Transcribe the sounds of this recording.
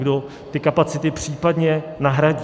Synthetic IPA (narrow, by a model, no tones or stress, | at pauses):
ɡdo | t̪ɪkapat͡sɪt̪ɪpr̥iːpadɲɛnaɦɾaɟi